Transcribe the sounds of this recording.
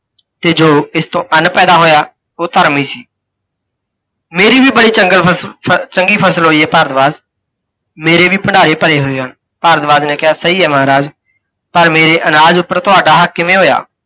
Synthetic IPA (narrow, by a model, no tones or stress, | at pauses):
t̪eːd͡ʒoːɪst̪õːʔənpɛːd̪aːɦoːjaː | oːt̪əɾmiːsiː | meːɾiːʋiːbəɽiːt͡ʃəɡəlt͡ʃəŋɡiːpʰəsəlɦoːiːɛːpaːɾd̪ʋaːz | meːɾeːʋiːpəɳɖaːɾeːpəɾeːɦoːeːɦən | paːɾd̪ʋaːznẽːkɪjaːsəiːɛːmaːɾaːz | pəɾmeːɾeːʔənaːd͡ʒʊpːəɾt̪ʊaːɖaːɦəkːɪmẽːɦoːja̰ː